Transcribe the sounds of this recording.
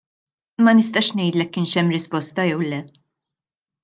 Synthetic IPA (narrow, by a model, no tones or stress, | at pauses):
mɐnɪst̪ɐʃnɛjt̪lɛkːɪːnʃɛmːɾɪspɔst̪ɐjɛwlɛ